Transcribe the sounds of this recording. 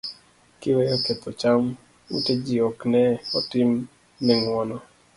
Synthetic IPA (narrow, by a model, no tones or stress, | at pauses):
kɪwejoket̪ɔt͡ʃam | ṵted͡ʒiɔknɛɔtɪm | nɛŋwɔnɔ